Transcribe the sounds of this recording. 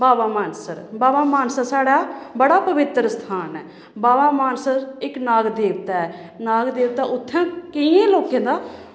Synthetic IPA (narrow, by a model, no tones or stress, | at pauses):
baːbaːmaːnsəɾbaːʋaːmaːnsaːsaːɽaːbəɽaːpəʋɪt̪ɾəst̪ʰaːnɛː | baːʋaːmaːnsəɾɪknaːɡd̪eːʋt̪aːɛ | naːɡd̪eːʋt̪aːʔʊt̪ʰːãːkɪjẽːloːkẽːd̪aː